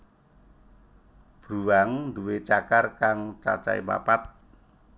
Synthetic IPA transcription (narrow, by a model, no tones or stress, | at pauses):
b̥ɾuwaŋnd̪uwet͡ʃakarkaŋt͡ʃa̰t͡ʃa̰ima̰pat̪̚